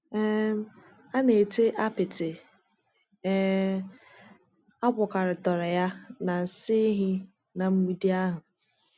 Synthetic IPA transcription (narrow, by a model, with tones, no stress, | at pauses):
ɛ˦ | a˦ne˨tʰe˦ʔa˦pɪ˨tɪ˨˦ | a˦bʊ˨ka˨ɾɪ˨tɔ˨ɾɪ˨ja˦na˨n̩˨sɪ˦ɦɪ˦ | na˨m̩˦mi˦di˦a˦ɦʊ˨